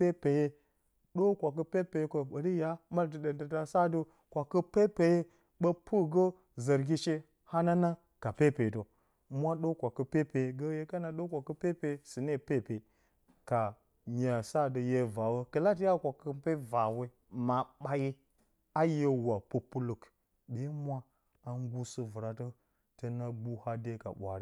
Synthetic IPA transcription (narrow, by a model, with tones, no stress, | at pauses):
e˦pe˨je˦ | ɗo˦kʷa˨k̬ə˦pe˦pe˨je˦ko˨ɓə˨di˦ja˦ma˦ltə˨də˨ndə˨ta˨sa˦də˦ | kʷa˨kə˦pe˦pe˨je˦ | ɓə˦pʰu˦ɡə˦ | zə˨ɾɡʲi˦t͡ʃe˦ | ha˦na˦na˦ | ka˨pe˦˨pe˨do˨ | mʷ˦a˦ɗo˦kʷa˨kə˨pe˦pe˨je˨ɡə˦je˦ka˦na˨ɗo˦kʷa˨kə˦pe˦pe˨˦si˨ne˦˨pe˦˨pe˨ | ka˨ | ɲa˨sa˦də˨je˦va˨wo˦kə˨la˦t̬ja˦kʷa˨kə˨˦pe˦va˨we˦ | ma˨ɓa˦ji˦ | a˦je˦wa˨pu˦pu˦lu˨k | be˨˦mʷa˦ | a˨ŋ˦ɡu˦sɨ˦vu˨ɾa˨tə˦ | tə˨na˦bu˦ha˦de˦ka̰˨ɓʷa̰˨ɾi˦